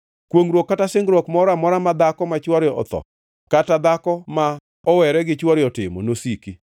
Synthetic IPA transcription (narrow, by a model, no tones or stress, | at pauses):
kwoŋɾwokːatasɪŋɡɾɔkmɔɾamɔɾamad̪akɔmat͡ʃwɔɾjɔʔɔ̰t̪ɔ̰ | katad̪akɔma | ɔwɛɾɛɡɪt͡ʃwɔɾjɔtɪmɔ̰nosiki